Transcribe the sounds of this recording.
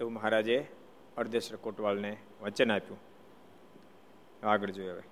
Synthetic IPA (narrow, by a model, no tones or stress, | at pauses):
t̪eũməɦaɾaːd͡ʒe | əɾd̪ʱeʃɾəkoʈʋalne | ʋət͡ʃənapjũː | aːɡəɽd͡ʒoːəʋḛ